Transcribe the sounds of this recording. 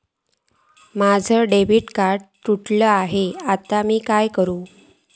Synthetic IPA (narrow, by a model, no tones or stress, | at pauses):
mad͡zʱəɖeʋiʈkaɾɖt̪uʈləaɦeat̪amiːkajkəɾuː